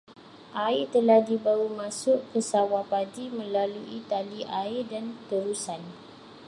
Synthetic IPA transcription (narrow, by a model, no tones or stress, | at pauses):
ʔaɪt̪əlahdibaumãsʊʔkəsawapaɡimə̃laluʔit̪aliʔaɪdant̪əɾusan